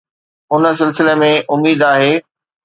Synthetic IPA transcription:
ʊnə̆s̬ɪlsɪlemẽʔʊmiːd̪aːɦeː

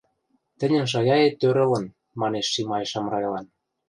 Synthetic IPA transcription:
t̪ə̆nʲə̆nʃ̬ɑɣʲɑjet̪ːøɾə̆lə̆n | mɑneʃːimɑjeʃɑmrɑjlɑn

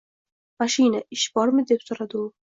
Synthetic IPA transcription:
maʃɪjnaɪʃbɒɾmɪd̪e̞psoɾad̪ɪʊ

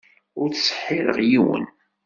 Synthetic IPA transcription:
ʊɾt͡ssə̥ħːɪɾə̰ʁjiwə̰n

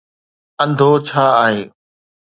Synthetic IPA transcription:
ə̃nd̪ʱot͡ɕʰaːaːɦeː

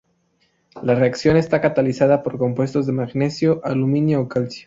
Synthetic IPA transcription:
lare̞aksjo̞ne̞st̪akat̪alisað̞apo̞ɾko̞mpwe̞st̪o̞zðe̞maɣne̞sjo̞ʔalumĩnjoːkalsjo̥

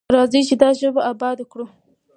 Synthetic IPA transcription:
ɾaːzit͡ʃidaʒɐbaʔabaːdakɽo

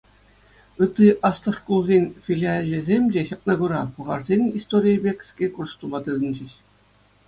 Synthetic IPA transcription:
ɯt̪ːiʔɑst̪ɤ̆ʂkulˠzʲenʲfʲilʲialʲːĕzʲemʲd͡ʑeɕɑp̚nɑɡuɾɑpɤ̆ʁɑrzʲenʲist̪oɾʲijəbʲekʲsʲkʲekurst̪umɑt̪ɯzɘ̆nʲd͡ʑɘ̆ɕ

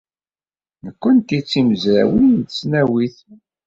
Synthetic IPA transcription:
nəkʷːənt̪it͡sːiməzɾæ̰wint̪əsnæwiθ

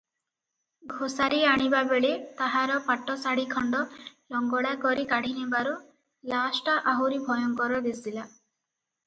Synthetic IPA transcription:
ɡʱosaɾiaɽ̃ibabeɭet̪aɦaɾɔpaʈːɔsaɽikʰɔɳɖɔlɔŋɡɔɽakɔɾikaɽ̤ʱinibaɾu | lasʈaʔaɦuɾibʱɔjɔŋkɔɾɔd̪isila

